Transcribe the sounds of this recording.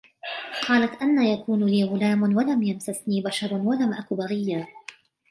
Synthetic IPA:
qʰɑːlat̪ʔanːaːjakuːnliːɣʊlaːmʊnwalamjamsasniːbaʃɑɾˤnwalamʔakʊbaɣɪjːaː

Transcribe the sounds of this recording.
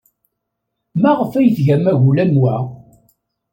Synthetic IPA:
mæʁəfæjəθʝæmæʝulæmwæ

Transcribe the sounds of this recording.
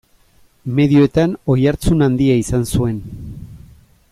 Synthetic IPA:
me̞ðioet̪ano̞jaɾt͡sunand̪iaisansue̞n

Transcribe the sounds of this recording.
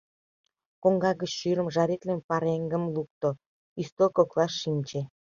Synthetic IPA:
koŋɡɑɣət͡ɕʃyɾə̆mʒɑɾet̪lemʲpɑɾeŋɡə̆mluk̚t̪o | ist̪okoklˠɑʃːinʲt͡ɕe

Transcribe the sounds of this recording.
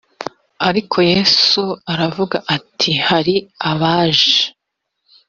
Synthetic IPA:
aɾikʰo̞jeːsuaɾavuɡaʔatʰihaɾiaβaːʒe

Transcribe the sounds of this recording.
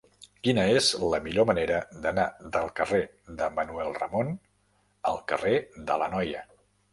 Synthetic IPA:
kinəezləmiʎoməneɾəd̪ənaðəlˠkəre | ðəmənuɛlˠrə̰mon | ə̰lˠkəreðələnɔjə

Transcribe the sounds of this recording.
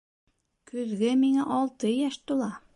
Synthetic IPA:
kɵ̆ðɡɘmiŋæʔɑlˠt̪ɤjæʃt̪ulˠɑ

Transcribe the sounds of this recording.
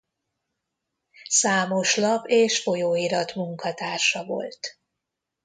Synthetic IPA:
saːmo̞ʃlɒpeːʃfo̞joːiɾɒt̪muŋkɒt̪aːrʃɒvo̰lt̪

